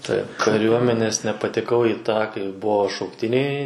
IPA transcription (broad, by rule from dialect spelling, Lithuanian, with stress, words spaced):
ˈtɐɪp kɐˈrʲuɔmʲɛnʲɛs nʲɛpɐtʲɛˈkɐʊ iː ˈtɑː kɐɪ ˈbʊʋoː ʃɐʊkˈtʲɪnʲɛɪ